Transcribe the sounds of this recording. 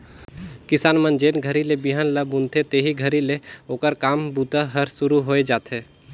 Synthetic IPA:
kɪsaːnmənd͡ʒeːnɡʱəɾilebiɦaːnləbʊ̃nt̪ʰet̪eɦiɡʱəɾileoːkəɾkaːmbuːt̪aɦəɾsʊɾuɦoːed͡ʒaːt̪eː

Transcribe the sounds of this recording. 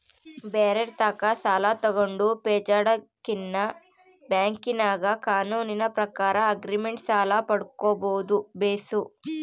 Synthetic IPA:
bɛːɾeɾt̪aːkasaːlaːt̪ɐɡɐɳɖupɛːt͡ʃaːɽɐkinːɐ | bjaːŋkinaːɡakaːnuːninɐpɾɐkaːɾɐɐɡɾimeɳʈsaːlaːpɐɽukɔːboːd̪ubeːsu

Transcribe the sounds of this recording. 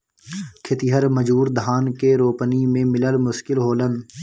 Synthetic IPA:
kʰɪt̪iɦəɾməd͡ʒuːɾd̪ʱaːnkeɾoːpənimẽmɪləlmʊʃkɪlɦoːlən

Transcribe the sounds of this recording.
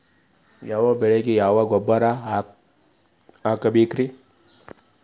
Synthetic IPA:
jawabeɾekijawaɡobaɾa | akabikɾi

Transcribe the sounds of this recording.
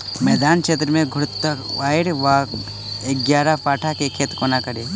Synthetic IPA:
mɛːd̪aːnkʃʰeːt̪ɾəmẽɡʱʊɽt̪ːaʋaːjɪɽʋa | ek̚ɡjaːɾapaːʈʰakekʰeːt̪konakəɾeː

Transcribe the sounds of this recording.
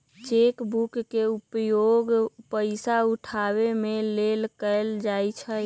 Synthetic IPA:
t͡ʃekbukːeupjoɡpəɪsauʈʰaβemelelkəɪld͡ʒajt͡ʃʰə

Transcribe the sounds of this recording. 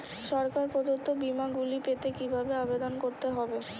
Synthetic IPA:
ʃɔɾkaɾpod̪ot̪obimaɡulipet̪ekibʱabeabed̪onkoɾt̪eɦɔbe

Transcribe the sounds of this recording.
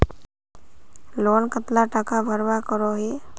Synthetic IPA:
loːnkət̪laʈakabʱəɾwakəɾoɦe

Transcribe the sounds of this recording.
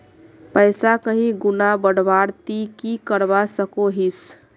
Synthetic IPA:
pəɪsakəɦĩɡunabəɽbaɾt̪ikikəɾbasəkoɦis

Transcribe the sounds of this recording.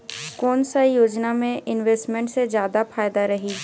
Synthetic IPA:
kɔːnsajoːd͡ʒnamẽʔɪnʋeːsʈmẽɳʈsed͡ʒjaːd̪afʰaːjd̪aɾɐɦi

